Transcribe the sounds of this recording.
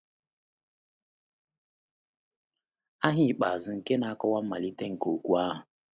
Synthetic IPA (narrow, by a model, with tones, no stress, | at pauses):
a˦ɦɪ˨k͡pa˨zʊ˨ŋ̩˨ke˦na˨˦kɔ˦wa˦m̩˦ma˨li˦te˦ŋ̩˨ko˨kʷu˦a˦ɦʊ˨